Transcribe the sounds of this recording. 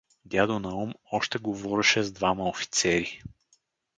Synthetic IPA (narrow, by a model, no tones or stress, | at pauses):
d̪ʲjad̪onɐɔmɔʃt̪ɛɡovɔɾɛʃɛzd̪vaməofi̥t̪sɛɾi